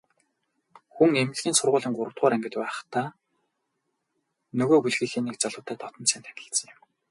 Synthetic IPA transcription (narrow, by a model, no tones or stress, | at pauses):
xuŋemɘ̆ɮɣʲiːnsʊrʁʊːɮiːŋɢʊɾə̆w̥t̪̚ʁʊːɾæŋɡɪ̆t̪pæ̆ːt̪aː | nɵɣoːpuɮɣiːxeːnikt͡saɮʊːt̪ʰæːt̪ʰɔt̪ɞ̆nt͡sæːnt̪ʰæ̥kʲɪ̆ɬt͡sə̆ŋɪm